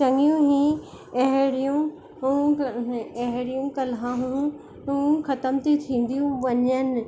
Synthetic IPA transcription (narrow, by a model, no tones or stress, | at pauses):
t͡ɕɐŋjũɦĩ | ɐɦɪɽijũ | ɦũ | ɐɦɪɽijũkɐlãɦũ | ɦũːxɐt̪əmt̪ʰit̪ʰĩːn̆d̪ijũʋɐɲənɪ̆